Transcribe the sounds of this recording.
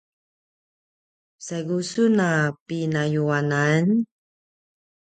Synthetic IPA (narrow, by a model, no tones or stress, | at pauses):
saɡusunapinajuanan